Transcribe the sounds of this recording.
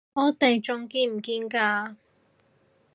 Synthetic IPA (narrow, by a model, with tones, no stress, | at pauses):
ɔː˨˧t̪e˨jt͡ʃʊ˨ŋkiː˧m̩˨˩kiː˧nkaː˧